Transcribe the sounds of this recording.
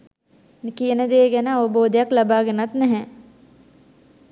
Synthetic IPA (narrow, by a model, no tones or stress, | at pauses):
kijənəd̪eːɡænəaʋəboːd̪əjaklabaːɡenat̪nɛɦɛ